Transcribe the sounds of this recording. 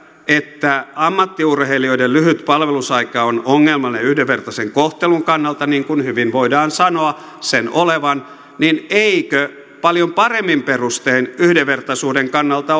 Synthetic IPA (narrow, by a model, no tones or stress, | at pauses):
et̪ːæɑmːɑt̪ːiurheilioidellyhyt̪pɑlʋelusɑikɑonoŋːelmɑneyhdeʋːert̪ɑseŋkoht̪eluŋkɑnːɑlt̪ɑniːŋkunhyʋinʋoidɑːnsɑnoɑ | senoleʋɑn | nineikø | pɑljompɑremːimperust̪einyhdeʋːert̪ɑsuːdeŋkɑnːɑlt̪ɑ